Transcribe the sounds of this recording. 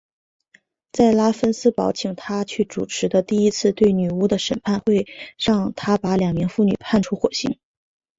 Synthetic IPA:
t͡sa˥˩ɪla˥fə˥nsɹ̩˥pɑ˧˥ʊt͡ɕʰi˨˩˦ŋt̪ʰa˥t͡ɕʰy˥˩ʈ͡ʂu˨˩ʈ͡ʂʰɻ̩˧˥d̪ə˧t̪i˥˩i˥t͡sʰɹ̩˥˧t̪we˥˩ɪny˨˩u˥d̪ə˨ʂə˨˩npʰa˥˧nxwe˥˧ɪɻɑ˥˩ŋt̪ʰa˥pa˧˥ljɑ˨˩ŋmi˧˥ŋfu˥˩ny̰˨˩pʰa˥˩nʈ͡ʂʰu˥xwɔ˨˩ɕi˥ŋ

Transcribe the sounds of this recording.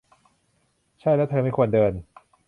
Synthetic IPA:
t͡ɕʰa˥˩jlɛː˦˥wt̪ʰɤː˧ma˥˩jkʰu˧əndɤː˧n

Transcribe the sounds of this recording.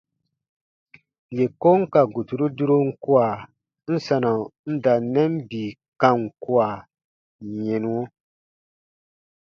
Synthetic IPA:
je˨ko˦ŋ̩˦ka˨ɡu˨tu˨ɾu˦du˦ɾo˦ŋ̩˦ku˦a˨ | n̩˦sa˨na˨n̩˦da˨nɛ˦m˦biː˨ | kã˦ŋ˨ku˦a˨ | ɲe˨nu˦wo˦

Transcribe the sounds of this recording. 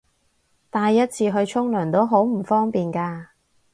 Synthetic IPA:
t̪aː˧jːɐ˥t̚t͡sʰiː˧ɦɵ˧ɥt͡ʃʰʊ˥ŋlœː˨˩nt̪o˥wɦo˨˥wm̩˨˩fɔː˥ŋpiː˨nkaː˧

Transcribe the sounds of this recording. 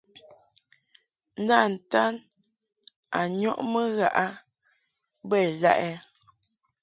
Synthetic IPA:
n̩˦da˦˨n̩˨ta˦n | a˨ɲɔ˦ʔmə˦ɣa̰˦˨ʔa˦ | bɛ˦˨la˦ʔɛ˦

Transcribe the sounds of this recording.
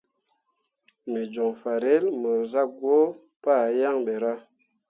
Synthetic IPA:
me˨d͡ʒo˨ŋfa˨ɾe˦lmə˨ɾza˦ɡwo˦ | pa˦˨ja˦ŋɓe˨ɾa˦

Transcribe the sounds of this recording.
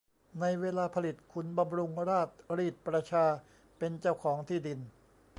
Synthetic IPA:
na˧jweː˧laː˧pʰa˧li˨˩t̪̚kʰu˧nba˧mɾu˧ŋɾaː˥˩t̪̚ɾiː˥˩t̪̚pɾa˧t͡ɕʰaː˧ | pe˧nt͡ɕa˥˩wkʰɔː˩˦ŋt̪ʰiː˥˩di˧n

